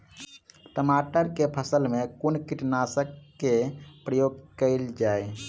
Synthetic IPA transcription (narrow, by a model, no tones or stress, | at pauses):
ʈəmaʈəɾkepʰəsəlmekunkiʈnasəkːepɾəjoɡkəɪld͡ʒaj